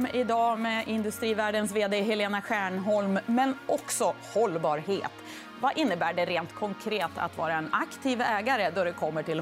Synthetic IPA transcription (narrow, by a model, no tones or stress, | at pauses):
mɪd̪ɑːmɛʔɪnd̪ɵst̪ɾiːvæːɖənsveːd̪eːɦɛleːnaɧæːɳɦɔlmːɛnʔɔksɔ | hɔlːbɑːɾheːt̪ | vaʔɪnːəbæːɖɛɾeːnt̪kʰɔŋkʰɾeːt̪ʰa̰t̪vɑːɾaɛnakt̪ʰiːvɛːɡaɾəd̪ɔd̪ɛkʰɔmːəʈʰɪl